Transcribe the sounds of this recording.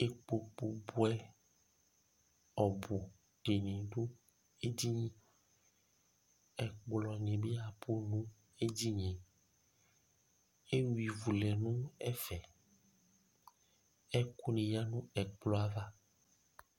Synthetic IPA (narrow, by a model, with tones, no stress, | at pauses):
e˨k͡po˨k͡po˨bo˦ɛ˦ | ɔ˨bo˨ | ɖe˨nẽ˨ɖo˦ | e˦d͡ʑi˦ɲĩ˦ | ɛ˨k͡plɔ˨nẽ˨bi˦a˨po˦nũ˦ | e˦d͡ʑi˦ɲẽ˨ | e˦wi˨vu˨lɛ˨nũ˦ɛ˦fɛ˨ | ɛ˦ku˦nẽ˨ja˦nũ˦ɛ˨k͡plɔ˦a˦va˦